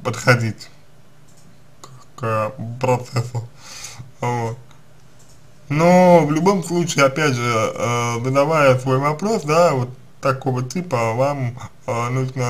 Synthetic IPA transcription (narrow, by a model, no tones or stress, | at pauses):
pət̪xɐdʲitʲ | k | kəpɾɐt̪sɛsʊ | vot̪̚ | novlʲʊbo̞mslˠut͡ɕɪɪapʲædʐɨəzəd̪ɐvajəsvo̞jvɐpɾo̞sd̪avot̪ːɐko̞vətʲipəvam | nuʐnə